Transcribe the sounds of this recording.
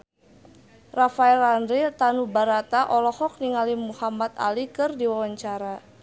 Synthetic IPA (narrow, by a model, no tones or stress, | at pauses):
rafaɛlandɾit̪anubaɾat̪aʔɔlɔhɔk̚niŋalimuhamat̪a̰likɨrdiwawaɲt͡ʃaɾa